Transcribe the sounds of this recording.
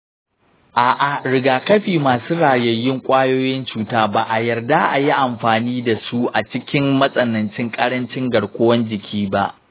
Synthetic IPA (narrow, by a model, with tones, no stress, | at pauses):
ʔaː˨ʔa˨ɽɪ˨ɡaː˨kɐ˦ɸiː˨maː˨suː˦ɽaː˨jɐ˨jːɪ˦ŋkʷʼaː˦joː˦jɪ˦nt͡ʃuː˨taː˦ba˨ʔa˨jɐ˨rda˦ʔa̰˨ji˦ʔa˨mɸaː˨niː˦da˨su˦ʔa˨t͡ʃɪ˦kʲɪ˦mmːɐ˦sʼɐ˨nɐ˨nt͡ʃɪ˦ŋkʼɐ˦ɽɐ˦nt͡ʃɪ˦ŋɡɐ˨ɽkʷo˦wɐ˦nd͡ʒɪ˨kʲʰiː˦ba˦ʔ